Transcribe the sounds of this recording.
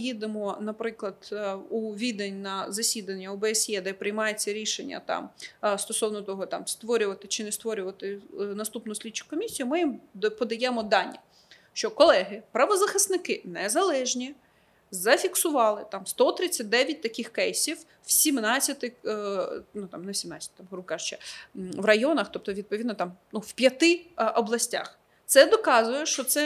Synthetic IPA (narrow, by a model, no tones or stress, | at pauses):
jid̪emɔnɐpɾɪklˠɐd̪̥uʋʲid̪enʲnɐzɐsʲid̪ɐnʲːɐɔbɛesjɛd̪ɛpɾɪjmɑjet͡sʲːɐɾʲiʃenʲːɐ̰t̪ɑ̰mst̪ɔsɔwnɔt̪ɔɦɔt̪ɑ̰mst̪ʋɔɾʲʊʋɐt̪ɪt͡ʃɪnɛst̪ʋɔɾʲʊʋɐt̪ɪnɐst̪upnʊʊsʲlʲidt͡ʃːʊ̥kːɔmʲisʲijʊmɪjimpɔd̪ɐjɛmɔd̪ɑnʲːɐ | ʃt͡ʃɔkɔlˠɛɦɪpɾɐʋɔzɐxɪsnɪkɪnɛzɐlˠɛʒnʲi | zɐfʲiksʊʋɑlˠɪt̪ɑmst̪ɔt̪ɾɪt͡sʲːɐt̚ʲd̪ɛʋʲjɐt̚ʲt̪ɐkʲɪxkɛjsʲiw | wsʲimnɑt͡sʲːɐt̪ɪ | nut̪ɑmnɛsʲimnɑt͡sʲɐt̪t̪amɦɾukɑʒt͡ʃɛʋrɐjɔnɐxt̪ɔp̚t̪ɔʋʲid̪̚pɔid̪nɔt̪ɑmnuwpʲjɐt̪ɪɔblˠɐsʲtʲa̰x | t̪sɛd̪ɔkɑzʊjɛʃt͡ʃɔt̪sɛ